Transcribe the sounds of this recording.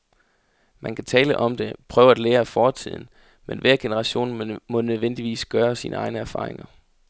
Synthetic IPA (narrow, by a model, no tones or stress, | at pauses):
mʔænkʰæt͡sʰɛːləʔɒ̽md̥e̝pʰʁœːʊɐæd̥leːɐæfɒːt͡sʰið̞̰ˠn̩ | menʋæɐɡ̥e̝nəʁɑ̈ɕo̝̰ːnmɔ̽nøð̞ˠʋen̰d̥iʋḭːsɡ̥ɶːɐsḭːnəɑ̈ɪnəæɐfɑ̈ːʁe̝ŋɐ